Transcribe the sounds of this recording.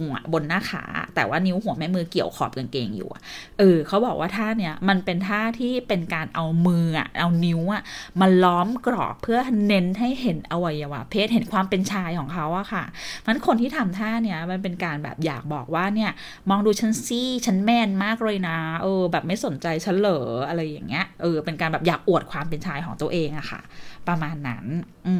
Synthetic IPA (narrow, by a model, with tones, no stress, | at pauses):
ŋ˦a̰˦˩bo˧nːaː˥˩kʰa̰ː˩˦t̪ɛ̰ː˨˩waː˥˩ni˦˥wɦu˨˩˦mɛ˦˥mɯː˧ki˨˩əwkʰɔ̰ː˨˩p̚ka˧nkḛː˧ŋjṵː˨˩ʔa̰˨˩ʔɤː˧kʰa˨˦˥wbɔː˨˩k̚wʔaː˥˩t̪ʰaː˥˩ni˦˥˩ɐma˧npe˧nt̪ʰaː˥˩t̪ʰiː˥˩pe˧nkaː˧nʔa˧wmɯː˧a̰˨˩ʔa˧wni˦˥wʔa˨˩ma˧nlɔː˦˥mkɾɔ̰ː˨˩pʰːɯ˥˩ɐne˦˥nɦa˥˩jɦe˩˦nʔa˧wa˧jːa˧wa̰ː˧pʰeː˥˩t̪̚ɦe˩˦nkʰwaː˧mpe˧nt͡ɕʰaː˧jkʰɔː˩˦ŋkʰa˦˥wʔa˨˩kʰa˥˩ma˦˥nkʰo˧nt̪ʰiː˥˩t̪ʰa˧mt̪ʰaː˥˩ni˥˩ɐma˧npe˧nkaː˧nbɛ̰ː˨˩p̚ja̰ː˨˩k̚bɔː˨˩k̚waː˥˩ni˥˩ɐ | mɔː˧ŋduː˧t͡ɕʰa˦˥nsiː˥˩t͡ɕʰa˦˥nmɛː˧˥˩nmaː˥˩k̚ɾɤː˧jna˦˥ʔɤː˧bɛː˨˩p̚ma˥˩jso˨˩˦nt͡ɕa˧jt͡ɕʰa˦˥nlɤː˩˦ʔa˧ɾa˧jːa̰˨˩ŋːi˦˥ɐʔɤː˧pe˧nkaː˧nbɛː˨˩p̚jaː˨˩k̚ʔu˨˩ət̪̚kʰwaː˧mpe˧nt͡ɕʰaː˧jkʰɔː˩˦ŋt̪u˧əʔeː˧ŋʔa˨˩xʰa̰˥˩pɾa˧maː˧nːa̰˦˥n | ʔɯː˧